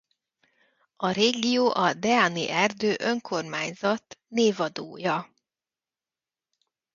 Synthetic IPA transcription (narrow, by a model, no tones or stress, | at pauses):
ɒɾeːɡijoːʔɒd̪ɛanḭʔɛrd̪øːʔø̞ŋkʰo̞rmaːɲzɒt̪neːvɒd̪oːjɒ